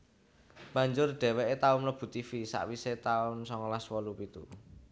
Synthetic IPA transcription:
b̥aɲd͡ʒʊrɖ̪̥ɛ̤wɛʔet̪aʊnləb̥ṳt̪ifisa̰ʔwiset̪aʊnsɔŋɔlaswɔlupit̪u

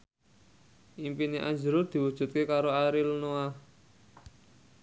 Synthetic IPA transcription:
ʔimpineʔaɲd͡ʒəɾʊrd̪̥i̤wud̥ʒ̥ṳt̪̚kekaɾoaɾilnoa

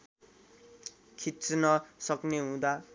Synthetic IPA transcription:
kʰit̪snʌsʌkneɦũd̪a

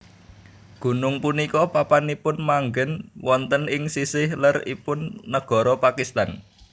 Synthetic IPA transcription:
ɡ̥ṳnʊŋpunikɔpapanipʊnmaŋɡənwɔnt̪ənɪŋsisɪhlərḭpʊnːəɡ̥ɔ̤ɾɔpakist̪an

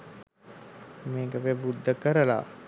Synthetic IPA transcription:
meːkəʋebud̪ʱːəkəɾəla̰

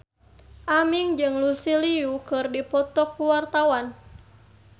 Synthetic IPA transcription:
ʔamiŋd͡ʒɨŋlusiliukɨrdipɔt̪ɔkːuwart̪awan

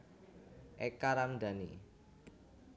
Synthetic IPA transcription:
ʔɛkaɾamd̪a̤nḭ

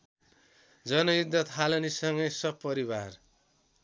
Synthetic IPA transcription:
d͡zʌnʌjud̪ʌt̪ɦalʌnisʌŋɡʌjsʌb̚pʌɾibar

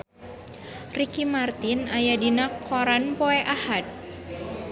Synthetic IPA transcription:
rikimart̪inajadinakʰːɔɾanpɔɛʔahat̪̚

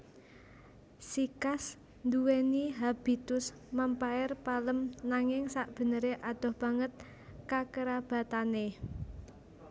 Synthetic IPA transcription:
sikas | nd̪uweniɦab̥i̤t̪ʊs | məmpaɪrpaləmnaŋɪŋsaʔb̥ə̤nəɾeʔad̪̥ɔ̤hb̥ä̤ŋət̪̚ | kakəɾab̥a̤t̪ane

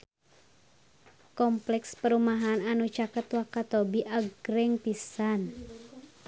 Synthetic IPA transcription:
kɔmplɛkspəɾumaɦananut͡ʃakət̪wakat̪obiʔaɡɾɛŋpisan

